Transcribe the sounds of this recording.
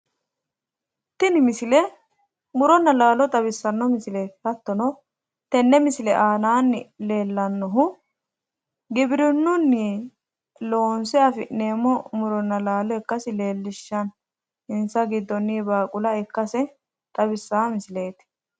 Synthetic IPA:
t̪ːɪnɪmɪsɪlɛ | mʊɾɔnːɐlaːlɔt̪ʼɐβɪsːɐnːɔmɪsɪle̞ːt̪hɐt̪ːɔnɔ | t̪ɛnːɛmɪsɪlɛʔaːnaːnːɪle̞ːlːɐnːɔɦʊ | ɡɪbɪɾɪnːʊnːi | lo̞ːnsɛɐfɪʔne̞ːmːɔmʊɾɔnːɐlaːlɔɛkːɐsɪleːlːɪʃːɐn | ɪnsɐɡɪd̪ːɔnːibaːkʼʊlɐɛkːɐsɛ | t̪ʼɐbɪsːaːmɪsɪle̞ːt̪ɪ̥

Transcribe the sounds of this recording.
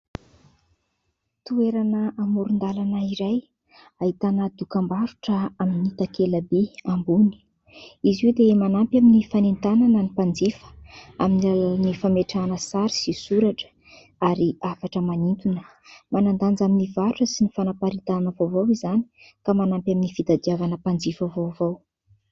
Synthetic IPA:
t̪ueɾanəʔamuɾund̪alanəiɾaj | aɦit̪anəd̪ukambaɾuʈ͡ʂəaminit̪akeləbeambuni̥ | izewd̪emanampjaminifanent̪ananənipand͡zifə̥a̰minilalaanifameʈ͡ʂanəsaɾi̥sisuɾaʈ͡ʂə̥ | aɾiafaʈ͡ʂəmanint̪unə̥ | manand̪and͡zaminivaɾuʈ͡ʂəsinifanapaɾit̪annəvovawizani̥ | kamanampʲaminifid̪ad̪iavanəpand͡zifəvovow

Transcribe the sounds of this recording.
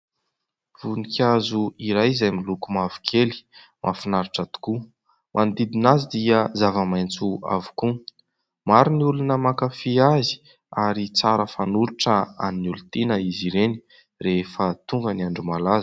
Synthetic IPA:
v̥unikʰʲazuiɾajzajmilukumavi̥kʰeli̥ | mʔafinaɾiʈ͡ʂat̪u̥ku | mʔand̪id̪inazid̪iəzavəmajnt͡sua̰vu̥ku | maɾiniulunəmakafiazi̥ | aɾit͡saɾəfanuɾuʈ͡ʂəa̰ninulut̪enəiziɾeni̥ | refət̪uŋɡəniaɳɖ͡ʐumalaz̥

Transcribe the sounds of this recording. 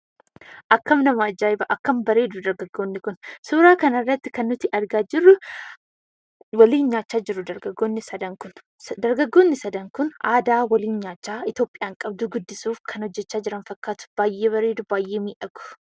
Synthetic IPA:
ʔɐkːɐmnɐmaːd͡ʒaːɪbɐʔɐkːɐmbɐɾe̞ːd̪ʊd̪ɐɾɡɐɡːo̞ːnːɪkʊnsuːɾaːkɐnɐrːɐt̪ːɪkɐnːʊt̪ɪʔɐɾɡaːd͡ʒɪrːʊ | wɐliːnɲaːt͡ʃːaːd͡ʒɪɾʊd̪ɐɾɡɐɡːo̞ːnːɪsɐd̪ɐŋkʊn | d̪ɐɾɡɐɡːo̞ːnːɪsɐd̪ɐŋkʊnaːd̪aːwɐliːnɲaːt͡ʃːaːɪt̪jo̞ːpʼɪjaːŋkʼɐbd̪ʊɡʊd̪ːɪsuːfkʰɐnhɔd͡ʒːɛt͡ʃːaːd͡ʒɪɾɐnfɐkːaːt̪ʊ̥b̥aːjːe̞ːβɐɾe̞ːd̪ʊbaːjʔeːmiːᶑɐɡʊ̥

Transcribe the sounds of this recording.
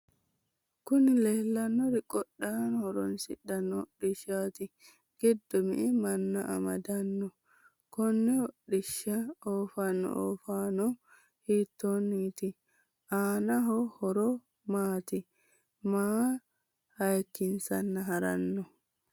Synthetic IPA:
kʊnɪleːlːɐnːɔɾɪkʼɔɗːaːnhɔɾɔnsɪ̰ɗɐnːɔɗɪʃaːt̪ɪ | ɡ̥ɪd̪ːɔmɪ̰ʔɪmɐnːɐʔɐ̰mɐd̪ɐnːɔ | kɔnːɛɔɗɪʃːɐoːfɐnːɔ̰ʔo̰ːfaːnɔ | hiːt̪ːonːiːt̪ɪ | ʔaːnɐɦɔhɔɾɔ | maːt̪ɪ | maː | hɐjkːɪnsɐnːɐɦɐɾɐ̰nːɔ

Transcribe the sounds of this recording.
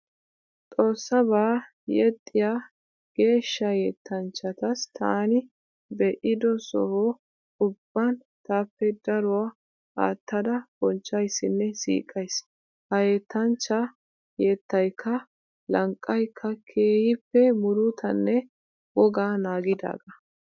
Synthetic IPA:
t̪ʼo̞ːsːɐbaː | jɛt̪ʼːɪjaː | ɡ̥e̞ːʃːɐjeːt̪ːɐnt͡ʃːɐt̪ɐst̪ʰaːnɪ | bɛʔɪd̪ɔsɔ̰ho | ʊbːɐn | t̪aːpːɛd̪ɐɾʊwa | ha̰ːt̪ːɐd̪ɐb̥ɔnt͡ʃːɐjsːɪnːɛsḭːkʼɐjs | hɐje̞ːt̪ːɐnt͡ʃːɐ | jeːt̪ːɐjkʰːɐ | lɐŋkʼːɐjkʰːɐkʰeːhɪpːɛmʊɾʊt̪ʰɐnːɛ | wɔɡaːnaːɡɪd̪a̰ːɡɐ

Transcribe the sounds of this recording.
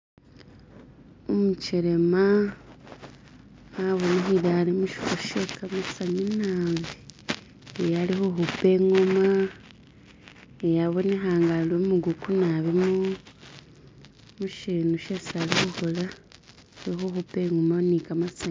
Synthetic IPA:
omut͡ʃiɾema | aβoniɦiβaːlimuʃi̥foʃekamasaɲinaːβi | ejalihuɦupe̞ːŋoma | ejaβonexaːŋɡalomuɡukunaβimo | muʃinuʃesalixuhola | lixoxupe̞ŋomanikamasaɲ

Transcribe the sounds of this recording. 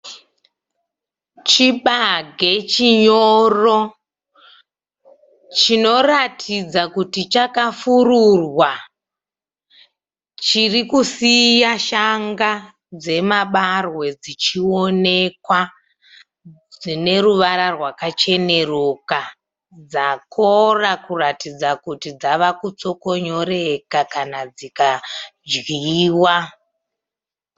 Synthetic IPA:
t͡ʃiɓaɡʱe̞t͡ʃiɲoro̞ | t͡ʃino̞ratʰid͡zakutit͡ʃakafururwa | t͡ʃirikusijaʃaŋɡa | d͡ze̞maɓarwe̞d͡zit͡ʃio̞ne̞kwa | d͡zine̞ɾuʋaɾarwakat͡ʃe̞ne̞roka | d͡zako̞rakuratid͡zakutid͡zaʋakut͡soko̞ɲo̞ɾe̞kakanad͡zikad͡ʒɣiiːwa

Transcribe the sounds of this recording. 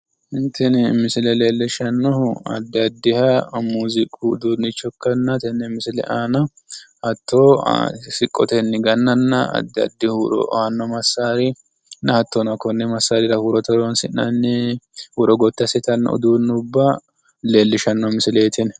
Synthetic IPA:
hɪnt̪ːɛnmɪsɪlɛle̞ːlːɪʃɐnːɔhɐ̰d̪ːɐd̪ːɪhɐmuːzɪkʼuːd̪uːnːɪt͡ʃːɔkːɐnːɐt̪ɛnːɛmɪsɪlɛ̰ʔaːnɐ | hɐt̪ːo̰ːsɪkʼːɔt̪ɛnːɪɡɐnːɐnːɐɐ̰d̪ːɐ̰d̪ːɪhuɾɔ̰hɐnːɔmɐsaːɾɪ | nːɐhɐt̪ːɔnɐkːɔnːɛmɐsːaːɾɪɾɐhuɾɔt̪ɔɾɔnsɪnːɐnːɛwɔɾɔɡɔt̪ːɐsɪt̪ɐnːɐ̰ɔ̰d̪uːnːʊbːɐ | le̞ːlːɪʃɐnːɔmɪsɪleːt̪ʰɪn

